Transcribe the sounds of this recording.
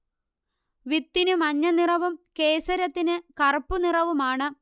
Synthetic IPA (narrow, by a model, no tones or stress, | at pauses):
ʋit̪ːinɨmɐɲːɐnirɐʋumkeːsɐɾɐt̪ːinɨkɐrpːunirɐʋumaːɳɨ